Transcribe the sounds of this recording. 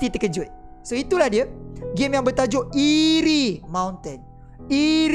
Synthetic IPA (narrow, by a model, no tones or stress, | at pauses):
t̪it̪əkəd͡ʒʊt̪̚ | soit̪ulahdiəɡemjaŋbərt̪ad͡ʒʊʔiɾimãwnt̪ən | i